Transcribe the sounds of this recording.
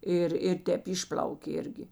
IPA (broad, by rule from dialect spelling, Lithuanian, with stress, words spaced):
ˈɪr ɪr ˈtʲɛːp ˈɪʃʲpʲlʲɐʊkʲeː ˈɪrʲɡʲɪ